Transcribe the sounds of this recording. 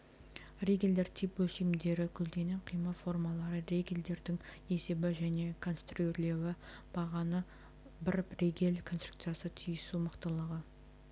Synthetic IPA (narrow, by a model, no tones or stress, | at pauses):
rʲeɡʲeld̪eɾt̪ʰijpwɵlʃimd̪e̞ɾɪkʲʰɵzd̪e̞neqʰijməfo̞rmɑlˠɑɾəɾeɡʲe̞ld̪e̞ɾd̪ɪŋ | e̞se̞bɪʒæne̞kʰo̞nst̪rueɾle̞wɪb̥ɑʁɑnə | bɪɾrʲeɡʲe̞lkʰonst̪ru̥kt̪sɨjasət̪ʰyjəsuməqt̪əlˠəʁə